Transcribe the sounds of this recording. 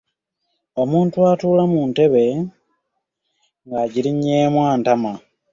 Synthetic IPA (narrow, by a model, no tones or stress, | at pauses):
o̞muːntuatuːlamuːnte̞βe̞ | ŋɡaɟiɾiɲeːmwaːntama